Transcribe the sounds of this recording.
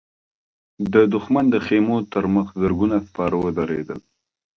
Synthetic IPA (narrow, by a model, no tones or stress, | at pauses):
d̪əd̪ʊxmand̪əxemot̪əɾməxzəɾɡunaspɑɾəwəd̪aɾḛd̪ə̰l